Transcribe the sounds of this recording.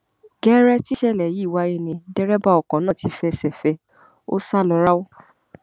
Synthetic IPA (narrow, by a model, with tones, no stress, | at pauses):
ɡɛ˦ɾɛ˦ti˦ʃɛ˦˨lɛ˨ji˨˦˨wa˨˧˦e˦˧˨nĩ˧dɛ˦ɾɛ˦ba˦ɔ˨kɔ̃˨˦nãː˦˨ti˧fɛ˧sɛ˨fɛ˧ | o̰˦sa˦˨lɔ˧ɾa˦wo˦